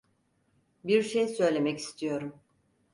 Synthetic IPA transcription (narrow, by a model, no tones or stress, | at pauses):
biɾʃejsø̞jlʲe̞mɛci̥st̪ʰijo̞ɾum